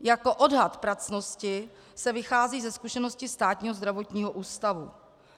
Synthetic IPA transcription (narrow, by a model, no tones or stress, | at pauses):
jako̞ʔodɦat̪pɾat͡snoscɪ | sɛvɪxaːziːzɛskuʃɛnoscɪst̪aːt̪ɲiːɦozd̪ɾavo̞t̪ɲiːɦoʔuːst̪avu